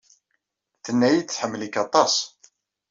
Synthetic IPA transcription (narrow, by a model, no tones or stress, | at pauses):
θənːæjit͡sːħəmːlikːɑt̪ˤɑsˤ